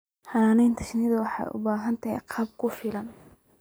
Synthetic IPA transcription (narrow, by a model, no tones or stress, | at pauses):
hɐaːnɛjnt̪ʰɐ̥ʃnɪðɐwɑħɑ̰jʔʊ̰baːɦɐnt̪ʰɐɦɛ̰jqʰɑb̚kʰʊfɪlɐn